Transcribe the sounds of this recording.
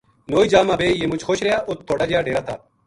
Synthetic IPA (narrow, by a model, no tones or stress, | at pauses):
noːiːd͡ʒaːmãːbeːjeːmʊt͡ʃxoːʃɾejaːʔʊt̪̚ʰːoːɽaːd͡ʒejaːɖeːɾaːt̪ʰa̰ː